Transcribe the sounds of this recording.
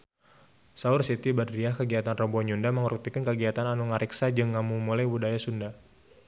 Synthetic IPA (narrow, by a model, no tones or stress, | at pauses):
saʊrsit̪ibadɾiakəɡiɦat̪anrɔbɔɲundaməŋuɾut̪ikankəɡiɦat̪ananuŋaɾʔiksad͡ʒɨŋːamumulajbudajasunda